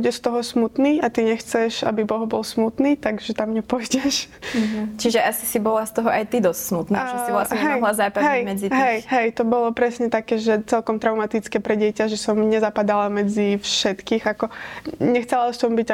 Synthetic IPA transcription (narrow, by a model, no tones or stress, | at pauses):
buɟɛst̪ɔɦɔsmut̪niːat̪iɲɛxt͡sɛʃa̰bibɔɦbɔlsmut̪niːt̪aɡʒɛt̪amɲɛpɔjɟɛʃ | t͡ʃiʒɛʔasi̥sibɔlast̪ɔɦɔʔajt̪id̪ɔstsmut̪nat͡ʃɛsilaɛɦɛɔjɦlazaːpaɦɛjmɛd͡ziɦɛjɦɛjt̪ɔbɔlɔpɾɛsɲɛt̪akɛːʒɛt͡sɛlkɔmt̪ɾaʊmat̪it͡skɛːpɾɛɟɪɛcaʒɛsɔmɲɛzapad̪alamɛd͡zifʃɛt̪kiːxakɔɲɛxt͡sɛlasɔmbiɟa